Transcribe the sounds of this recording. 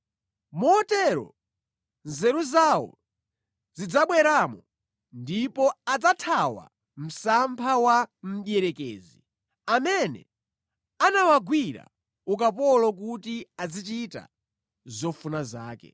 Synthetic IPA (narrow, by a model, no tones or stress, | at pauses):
mɔɔtɛɾɔ̰ | nzɛɾuzaːwɔ̰ | zid͡zaɓwɛɾaːmɔ | ndipɔad͡zatʰawa̰ | m̩sampʰawam̩ɗjɛɾɛkḛːzi | amɛnɛ̰ | anawaɡwiɾa̰ | ukapɔlɔk̬utiad͡zit͡ʃita̰ | zɔfunazaːkɛ̰